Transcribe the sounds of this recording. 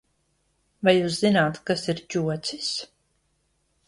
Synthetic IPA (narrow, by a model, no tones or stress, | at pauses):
vajjuːs̬zinaːt̪kasiɾt͡ʃuɔt̪sis